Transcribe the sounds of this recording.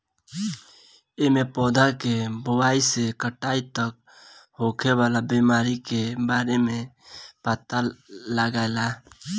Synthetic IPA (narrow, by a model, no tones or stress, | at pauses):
emepɔd̪ʱakebʊwaisekəʈaːit̪ək̚ | ɦokʰebalabimaːɾikebaːɾemẽ | pat̪aləɡaela